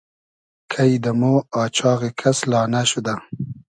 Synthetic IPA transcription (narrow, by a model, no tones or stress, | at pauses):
kʰajd̪əmoɑːt͡ʃɑːɣekʰaslɑːnaʃud̪a